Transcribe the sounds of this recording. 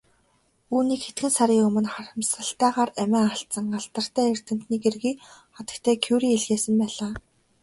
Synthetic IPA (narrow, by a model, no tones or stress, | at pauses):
uːniːkxet̪ɡɘ̆nsaɾʲiːɵmɵ̆nχarə̆msə̆ɬt̪æːʁaːræmʲæːaɬt͡sə̆ŋɢaɮt̪ə̆r̥t̪æːer̥t̪ɘ̆m̥t̪niːɡerɣiːχɔt̪ə̆kt̪ʰæːkʰuwɾiːeɮɣeːsə̆mpæːɮaː